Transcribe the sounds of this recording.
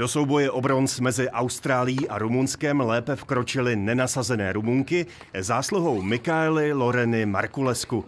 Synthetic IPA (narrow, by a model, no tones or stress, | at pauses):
d̥o̞so̞wbo̞jɛʔo̞bɾo̞nsmɛzɪʔawst̪ɾaːlɪjiːʔaɾumunskɛmlɛːpɛfkɾo̞t͡ʃɪlɪnɛnasazɛnɛ̰ːɾumuŋkɪ | zaːsluɦowmɪkaɛlɪlo̞ɾɛnɪma̰ɾkulɛsku